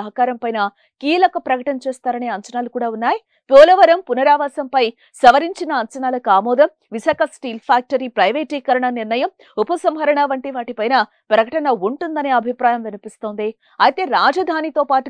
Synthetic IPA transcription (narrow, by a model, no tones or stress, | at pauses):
ɐɦɐkaːɾɐmpɐjnɐ | kiːlɐkɐpɾɐkɐʈɐnɐt͡ʃeːst̪aːɾɐneːɐɲt͡ʃɐnaːlukuːɽaːunːaːji | poːlɐʋɐɾɐmpunɐɾaːʋaːsɐmpɐj | sɐʋɐɾiɲt͡ʃinɐːɲt͡ʃɐnaːlɐkuaːmɔːd̪ɐm | ʋisaːkʰɐsʈiːlpʰaːk̚ʈɐɾipɾɐjʋeːʈikɐɾɐɳɐniɾnɐjɐm | upɐsɐmɦɐɾɐɳaːʋɐɳʈiʋaːʈipɐjnɐ | pɾɐkɐʈɐnɐuɳʈund̪ɐneːɐbʱipɾaːjɐmʋinipist̪oːnd̪i | ɐjt̪e̞ːɾaːd͡ʒɐd̪ʱaːnit̪oːpaːʈu